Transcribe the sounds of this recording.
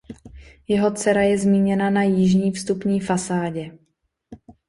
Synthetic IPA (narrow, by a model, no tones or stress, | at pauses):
jɛɦo̞t͡sɛɾajɛzmiːɲɛnanajiʒɲiːfst̪upɲiːfasaːɟɛ